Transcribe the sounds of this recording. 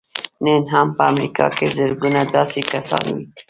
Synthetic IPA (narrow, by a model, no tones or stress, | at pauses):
nenɦampəamɾikɑ̰kezəɾɡunad̪ɑsikasɑ̰nwi